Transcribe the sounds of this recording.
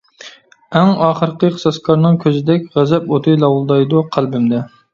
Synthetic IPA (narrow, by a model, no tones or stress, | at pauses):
æŋɑːχəɾqəqʰə̥sɑskʰɑɾnɨŋkʲʰøzɪd̪ɛkʲʁæzɛpot̪ʰɨjlˠɑwlˠd̪ɑjd̪ʊqʰælˠbɪmd̪ɛ